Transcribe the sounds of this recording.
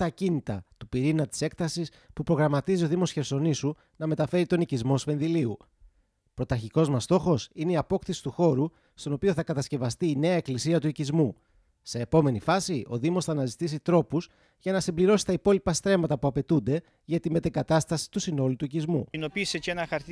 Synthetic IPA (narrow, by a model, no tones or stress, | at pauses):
ɐcinit̪ɐt̪upiɾinɐt̪i̥se̞kt̪ɐsis | pupɾo̞ɣɾɐmɐt̪izio̞ðimo̞sçe̞ɾso̞nisu | nɐme̞t̪ɐfe̞ɾit̪o̞nicizmo̞spe̞nðiliu | pɾo̞t̪ɐɾçiko̞zmɐst̪o̞xo̞sine̞iɐpo̞kθisi̥t̪uxo̞ɾu | st̪o̞no̞pio̞θɐkɐt̪ɐsce̞vɐst̪iːne̞ɐe̞klisiɐt̪uicizmu | se̞ːpo̞me̞nifɐsio̞̰ðimo̞sθɐːnɐzit̪isit̪ɾo̞puz | ʝɐnɐsimbliɾo̞si̥t̪ɐipo̞lipɐst̪ɾe̞mɐt̪ɐpuɐpe̞t̪und̪e̞ | ʝɐt̪ime̞t̪eŋɡɐt̪ɐst̪ɐsi̥t̪usino̞lut̪uicizmṵno̞pisecenɐxɐɾt̪